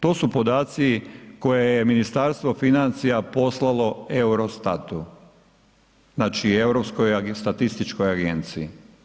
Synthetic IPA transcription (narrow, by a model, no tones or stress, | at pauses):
t̪o̞ːsupo̞d̪aːt̪siko̞jejeminist̪aɾst̪ʋo̞finant̪sijapo̞slˠalˠo̞euɾost̪at̪u | znaːt͡ʃiewɾopskojst̪at̪ist̪it͡ʃko̞jaɡent̪sii